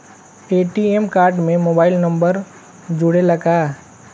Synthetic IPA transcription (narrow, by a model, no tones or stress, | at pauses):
eːʈiemkaːɾɖmẽmoːbaːɪlnɐ̃mbəɾ | d͡ʒʊɽelɐɡaː